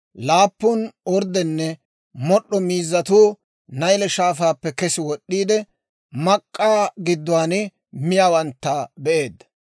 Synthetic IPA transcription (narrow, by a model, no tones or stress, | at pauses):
laːpːʊnɔɾd̪ɛnːɛ | mɔɗːɔmiːzːɐt̪uː | nɐjlɛʃaːfaːpːɛkɛsɪwɔɗːiːd̪ɛ | mɐkʼːaːɡɪd̪ːʊwaːnɪ | mɪjaːwɐnt̪ːɐbɛʔe̞ːd̪ːɐ